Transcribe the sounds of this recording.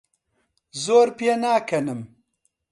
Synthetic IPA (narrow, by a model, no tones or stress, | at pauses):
zoːɾpijenaːkʰɐnɨm